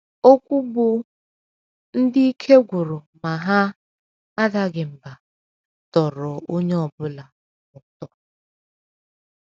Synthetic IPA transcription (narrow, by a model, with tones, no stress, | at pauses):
o˦kʷu˦bʊ˦ | n̩˦dɪ˦i˦kʰe˦ɡʷʊ˨ɾʊ˨ma˨ɦa˦ | a˦da˦ɡɪ˨m̩˨ba˨ | tɔ˨ɾɔ˨o˦ɲe˦ɔ˨bʊ˦la˨ | nɔ˨tɔ˨